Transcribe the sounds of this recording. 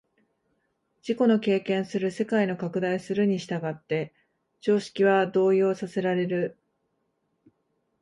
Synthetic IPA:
d͡ʑiko̞no̞ke̞ːkẽ̞ɰ̃sɨɾɯ̟se̞kaino̞kakɯ̟d̪aisɨɾɯ̟ɲ̟iɕi̥t̪aɡat̪ːe̞ | t͡ɕo̞ːɕi̥kʲiβad̪o̞ːjo̞ːsase̞ɾaɾe̞ɾɯ̟

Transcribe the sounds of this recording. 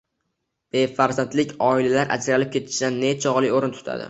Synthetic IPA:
b̥e̞faɾzant̪lɪkʲɒɪlalaɾʔa̰d͡ʒɾalɪp̚kʲʰe̞t̪ʰɪ̥ʃd̪anːet͡ʃʰɒʁlˠɪjoɾɪnt̪ʰʊ̥t̪ʰa̰d̪ɪ̰

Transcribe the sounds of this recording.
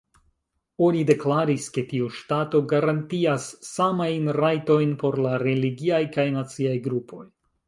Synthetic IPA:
o̞nide̞klaɾiske̞tiuʃtato̞ɡaɾantiasːamajnɾajto̞jnpo̞ɾlaɾe̞liɡiajkajnat͡siajɡɾupʰo̞̰j

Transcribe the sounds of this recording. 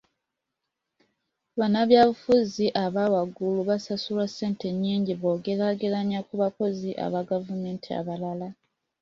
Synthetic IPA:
βanaβjaːβufuziʔaβawaɡuluβasasulase̞ːnte̞ɲːiːɲɟiβoːɡe̞ɾaɡelaɲakuβako̞ziʔa̰βaɡavume̞ːntʰia̰βalala

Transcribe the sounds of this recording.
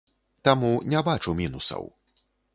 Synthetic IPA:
t̪amunʲɛbat͡ʂumʲinusɐ̰w

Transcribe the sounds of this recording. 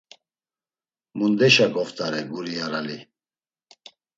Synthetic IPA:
mund̪ɛʃaɡɔft̪ʰʼaɾɛɡuɾijaɾali

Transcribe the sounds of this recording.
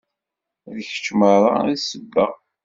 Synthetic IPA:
ðəçə̥t͡ʃːməɾˤa̰səbːəʁ

